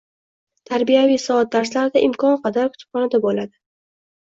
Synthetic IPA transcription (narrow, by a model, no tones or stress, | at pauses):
t̪ʰaɾbijavijsɒat̪̚d̪aɾslaɾɪd̪aʔɪmkɒnqʰɑd̪aɾkʰʊ̥t̪ʰɪ̥p̚χɒnad̪abolad̪ɪ